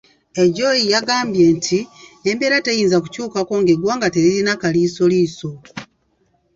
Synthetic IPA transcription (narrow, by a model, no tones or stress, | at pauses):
e̞ɟo̞jijaɡaːmbje̞ːntʰieːmbeːɾatejiːnzaku̥cuːkako̞ŋɡe̞ɡwaːŋɡate̞ɾiɾinakaliːso̞liːso̞